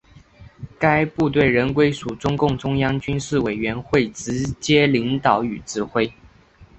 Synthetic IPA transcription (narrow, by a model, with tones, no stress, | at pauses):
ka˥ɪpu˥˧t̪we˥˩ɪɻə˧˥nkwe˥ɪsu˨˩ʈ͡ʂʊ˥ŋkʊ˥˩ŋʈ͡ʂʊ˥ŋjɑ˥ŋt͡ɕy˥nʂɻ̩˥˩we˨˩ɪɥɛ˧˥nxwe˥˩ɪʈ͡ʂɻ̩˧˥t͡ɕjɛ˥li˧˥ŋt̪ɑ˨˩˦ʊy˨˩ʈ͡ʂɻ̩˥˧xwe˥ɪ